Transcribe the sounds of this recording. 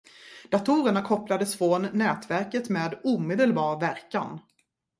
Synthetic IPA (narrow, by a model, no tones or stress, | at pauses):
d̪̥at̪ʰuːɾəɳakʰɔplad̪əsfɾɔnːɛːt̪væɾkət̪meːd̪uːmeːd̪əlbɑːɾvæɾka̰n